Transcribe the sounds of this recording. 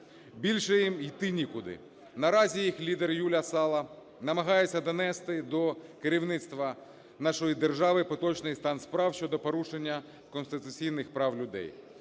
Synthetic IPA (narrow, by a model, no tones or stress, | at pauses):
bʲilʲʃɛjimijt̪ɪnʲikʊd̪ɪ̰ | nɐɾɑzʲijixlʲid̪erjulʲɐsɑlˠɐ | nɐmɐɦɑjet͡sʲːɐd̪ɔnɛst̪ɪd̪ɔkeɾʲiwnɪt̪st̪ʋɐ | n̪ɑʃɔjid̪erʒɑʋɪpɔt̪ɔt͡ʃnɪjst̪ɑnspɾɑwʃʲt͡ʃɔd̪ɔpɔɾuʃenʲːɐ | kɔnst̪ɪt̪ʊt͡sʲijnɪxpɾɑwlʲʊd̪ɛ̰j